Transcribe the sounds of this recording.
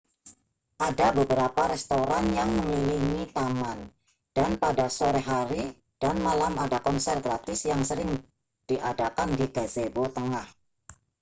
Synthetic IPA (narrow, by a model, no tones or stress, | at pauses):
ʔadabəbəɾapaɾɛst̪oɾanjaŋməŋliliŋit̪aman | d̥anpadasoɾɛɦaɾi | d̥anmalamadakɔnsɛrɡɾat̪ɪsjaŋsəɾɪŋ | d̥iʔadakandiɡazebot̪əŋah